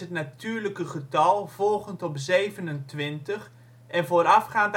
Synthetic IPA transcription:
ɦətnatyːɹləkəχətɑlˠv̥ɔlˠχəntɔpzejvənəntʋɪntəχ | ʔɛnvoːɾɑfχaːnt

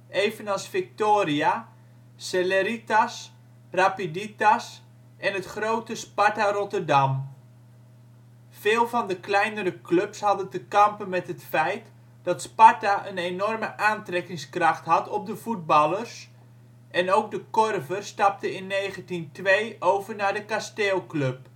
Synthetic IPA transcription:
ʔejvənɑlˠsfɪk̚toːɾia | seleɾitas | rapiditas | ʔɛnətχrowtəspatarɔtərdɑm | v̥ɪːlˠvɑndəklɛjnəɾəklɵpshɑdəntəkɑmpənmɛtɦətfɛjt | d̥ɑtspataʔənenɔrməʔaːntrɛkɪŋskrɑχtɦɑtɔp̚dəvud̚bɑlˠərs | ʔɛnowɡ̚dəkɔrvərstɑp̚təɪnːejχəntintʋejʔowvərnadəkasteːlˠklɵp̚

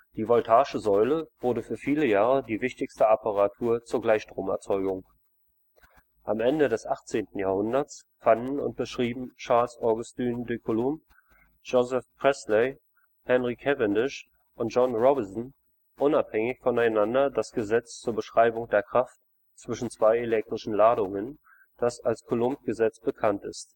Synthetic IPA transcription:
d̥iːvɔltʰaːʃəzɔʏləv̥ʊɐdəfyːɐfiːləjaːʁədiːvɪçtɪçstəapʰaʁatʰuːɐt͡suːɐɡlaɪçʃtʁ̥oːmɛ̰ɐt͡sɔʏɡʊŋ | ʔamʔɛndədɛsʔaχt͡seːntn̩jaːhʊndɐt͡s | fandn̩ʊ̰nt̚b̥əʃʁ̥iːbm̩t͡ʃaɐlsɔɐɡʊstyːndøkʰolʊm | ʒozɛfpʁ̥ɛslɛ | hɛnʁikʰɛvɛndɪʃ | ʊntd͡ʒ̥ɔnʁɔbɪnsn̩ | ʔʊnaphɛŋɪçfɔnaɪnandɐdasɡ̥əzɛt͡st͡suːɐbəʃʁ̥aɪbʊŋdeːɐkʁ̥aft | t͡sv̥ɪʃn̩t͡sv̥aɪelɛk̚tʁ̥ɪʃn̩laːɾʊŋən | d̥asalskʰolʊmp̚ɡ̥əzɛt͡sb̥əkʰantɪ̰st

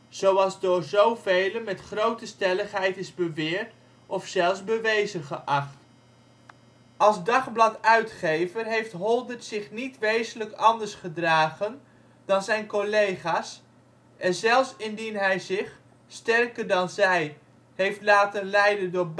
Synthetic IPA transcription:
z̥owɑlˠzdʊːɹzowvejlənmɛtχrowtəstɛləχɦɛjtɪzbəʋɪːɹt | ʔɔfsɛlˠzbəʋejzənχəʔɑχt | ʔɑlˠzdɑχblɑtœɥtχejvərɦejftɦɔlˠdətsɪχnitʋejzələkɑndəɹsχədraːχən | dɑnzɛjnkolejχaːs | ʔɛnzɛlˠfsɪndinɦɛjzɪχ | stɛrkəɹdɑnzɛj | ɦejftlaːtənlɛjdəndʊːɹb

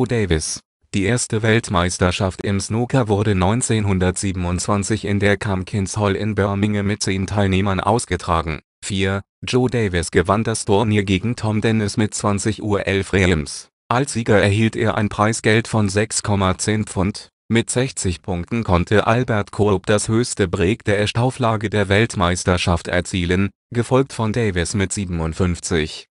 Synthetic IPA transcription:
odɛɪvɪs | d̥iːʔeːɐstəvɛltmaɪstɐʃaftɪmsnoːkʰavʊɐɾənɔ̃ʏnt͡seːnɦʊndɐtz̥iːbm̩ʊntt͡sv̥ant͡sɪçɪ̰ndeːɐkʰamkʰɪnshɔlɪ̰nbœɐmɪŋəmɪt̚t͡seːntʰaɪlneːmɐnʔa̰ʊsɡ̥ətʁ̥aːɡŋ̩ | fiːɐ | d͡ʒoːdɛɪvɪsɡ̥əvandastʰoːɐniːɐɡeːɡŋ̩tʰɔmdɛnɪsmɪt̚t͡sv̥ant͡sɪçʔṵːɐʔɛlfʁeams | ʔalsz̥iːɡɐɛɐhiːltʔḛːɐʔa̰ɪnpʁ̥aɪsɡ̥ɛltfɔnzɛkskʰɔmat͡seːnp͡fʊnt | mɪtz̥ɛçt͡sɪçpʰʊŋk̚tn̩kʰɔntʰəʔalbɛɐtkʰoɐp̚d̥ashøːçstəbʁeːkd̥eːɐʔɛʃtaʊflaːɡədeːɐvɛltmaɪstɐʃaftɛ̰ɐt͡siːlən | ɡ̥əfɔlk̚tfɔndɛɪvɪsmɪtz̥iːbm̩ʊntfʏnft͡sɪç

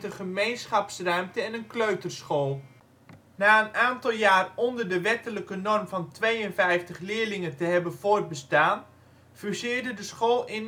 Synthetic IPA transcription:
təχəmejnsχɑpsrœɥmtəɛnənkløɥtərsχoːlˠ | naːənaːntɑlˠjaːrɔndərdəʋɛtələkənɔrmvɑntʋejənfɛjftəχlɪːɹlɪŋəntəɦɛbənvoːrt̚bəstaːn | fysɪːɹdədəsχoːlˠɪn

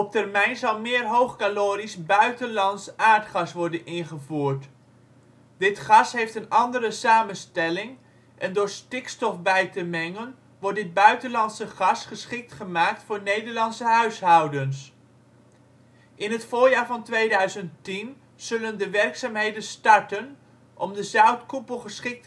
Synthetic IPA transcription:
ɔp̚tɛrmɛjnzɑlˠmɪːrɦowχkaloːɾisbœɥtənlɑntsaːɹtχɑsʋɔɹdənɪnχəvuːɹt | dɪtχɑsɦejftənɑndəɾəsaːmənstɛlɪŋ | ʔɛndʊːɹstɪkstɔfbɛjtəmɛŋən | ʋɔɹ̚dɪd̚bœɥtənlɑnsəχɑsχəsχɪk̚tχəmaːk̚tfʊːɹnejdəɹlɑnsəɦœɥsɦɑwdəns | ʔɪnɦətfʊːɹjaːɹvɑntʋejdœɥzənttin | z̥ɵləndəʋɛrksaːmɦejdənstɑɹtən | ʔɔmdəzœwtkupəlˠχəsχɪk̚t

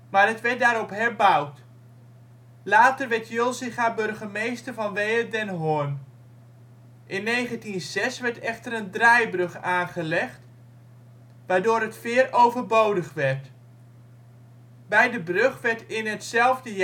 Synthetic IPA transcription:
maːrɦətʋɛɹt̚daːɾɔpɦɛɹbʌwt | laːtərʋɛɹtʰjølˠsɪχaːbɵrχəmejstərvɑnʋejərdɛnɦʊn | ʔɪnːejχəntinzɛsʋɛɹtɛχtərəndrajbrɵχaːnχəlɛχt | ʋaːɹdʊːɾətfɪːrowvərbowdəχʋɛrt | bɛjdəbrøχʋɛɹtɪnɦətsɛlˠvdə

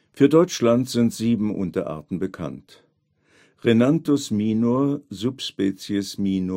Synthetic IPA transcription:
fyːɐdɔʏt͡ʃlantz̥ɪntz̥iːbm̩ʔʊ̰ntɐʔa̰ɐtn̩bəkʰa̰nt | ʁenantosmiːnoɐzupspɛːt͡sjəsmiːno

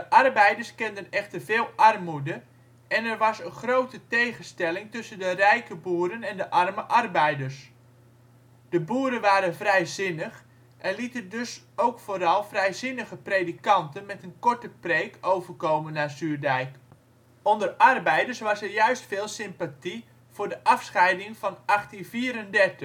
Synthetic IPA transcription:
dəʔɑrbɛjdərskɛndənɛχtərvɪːlˠʔɑrmudə | ɛnɛrʋɑsənχrowtətejχənstɛlɪŋtɵsəndərɛjkəbuːəɾənɛndəʔɑrməʔɑrbɛjdərs | d̥əbuːɾənʋaːɾənvrɛjzɪnəχ | ʔɛnlitəndɵs | owkfoːɾɑlˠfrɛjzɪnəχəprejdikɑntənmɛtənkɔɹtəprejkowvərkowmənːaːsyːɹdɛjk | ɔndərɑrbɛjdəɹsʋɑsɛɹjœɥstfɪːlˠsɪmpati | v̥ʊːɹdəʔɑfsχɛjdɪŋvɑnɑχtinviːɾəndɛrtə

